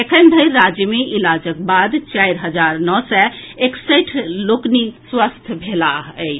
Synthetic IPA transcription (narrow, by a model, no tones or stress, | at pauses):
ekʰənd̪ʱəɪɾːad͡ʒjəmeʔilad͡ʒək̚bad̪t͡ʃaiɾɦəd͡ʒaɾnɔsɛeksəʈʰlokniswast̪ʰbʱelaɦɛ